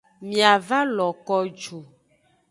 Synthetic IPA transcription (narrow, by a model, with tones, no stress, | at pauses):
mĩ˨a˨va˦lɔ˨kɔ˦d͡ʒo˨